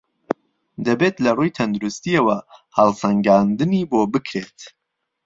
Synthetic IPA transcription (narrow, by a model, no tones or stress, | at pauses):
d̪ɐbet̪lɐrujt̪ʰɐnd̪uɾust̪iɐwɐhɑlˠsɐŋɡaːnd̪ɨniboːbɨkʰɾet̪